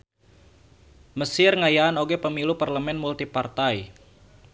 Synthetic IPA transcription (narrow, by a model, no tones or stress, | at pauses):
məsɪrŋajaːnoɡɛpəmiluparləmɛnmult̪ipart̪ai